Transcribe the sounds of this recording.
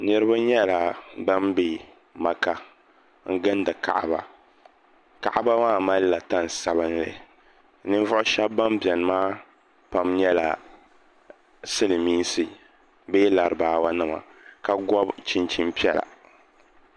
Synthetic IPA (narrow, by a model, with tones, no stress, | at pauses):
nɨ˦ɾɨ˦ba˦ɲɛ˦la˨ba˦mbe˨ | ma˨ka˦ | ŋ̩˦ɡɨ˦n˦dɨ˨ka̰˨ʔba̰˨ | ka˨ʔa˦ba˦maː˦ma˦lla˨ta˦n˨sa˨βɨ˦nlɨ̰˨ | nɨ˦n˦vʊ˦ʔʊ˦ʃɛ˦bːa˦mbɛ˨n˨maː˦ | pa˨mɲɛ˦la̰˨ | sɨ˦lɨ˨miː˦sɨ˨ | beː˦la˨ɾɨ˨baː˨wa˦nɨ˦˨ma̰˨ka˨ɡɔ˦bt͡ʃi˦nt͡ʃi˦mpi˦ɛ˦la̰˨